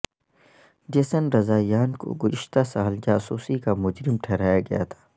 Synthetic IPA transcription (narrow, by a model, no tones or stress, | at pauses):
d͡ʒɐsənɾɐzaːjaːnko̰ɡʊzɪʃt̪asaːld͡ʒaːsuːsikamʊd͡ʒɾɪmʈʰɛɾaːjaɡɐja̰t̪ʰḁː